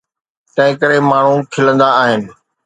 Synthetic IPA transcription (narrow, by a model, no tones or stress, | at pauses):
t̪ɐ̃ɦɪ̃kəɾemaːɳ̤ũkʰɪlə̃nd̪aaːɦɪnɪ̆